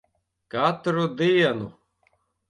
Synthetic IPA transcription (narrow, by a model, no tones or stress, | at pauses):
kat̪ɾud̪iɐnṵ